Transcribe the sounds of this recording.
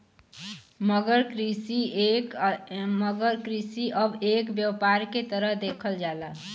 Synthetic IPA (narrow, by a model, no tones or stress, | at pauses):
məɡəɾkɾisi | məɡəɾkɾisiʔəbekbjəwpaɾket̪əɾəɦd̪ekʰəld͡ʒala